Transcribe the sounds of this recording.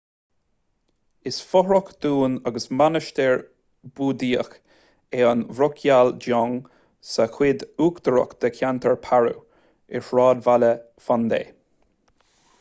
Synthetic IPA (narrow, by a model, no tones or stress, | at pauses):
ɪsfɔhɹɔkd̪̥uːnaɡəsmanəʃt̪ɛɹ | buːd̪iːəx | eːənvɹʊkʰjald͡ʒɔŋ | səxwɪd̪uːkd̪əɹɔ̰kd̪̥əkʲʰjant̪ʰəɹpʰaɹṵ | ɪɹʃɹɑːd̪valə | fand̪ḛː